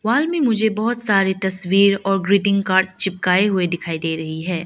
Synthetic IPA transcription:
ʋaːlmẽmʊd͡ʒʱebɐɦʊt̪saːɾet̪ɐswiːɾɔːɾɡɾiːʈɪ̃ŋɡkaːɾʈst͡ʃʰɪp̚kaːeɦʊed̪ɪkʰaːid̪eːɾɐɦiɦɛː

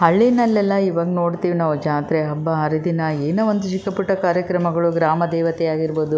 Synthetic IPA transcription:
ɦɐɭːinɐlːɛlːɐiʋaːɡɐnoːɽt̪iːʋinaːʋud͡ʒaːt̪ɾeɦɐbːɐɦɐɾid̪inɐeːnɐʋond̪ut͡ʃikɐpuʈːɐkaːɾjɐkɾɐmɐɡɐɭuɡɾaːmɐd̪ɛːʋɐt̪ɛjaːɡiɾboːd̪u

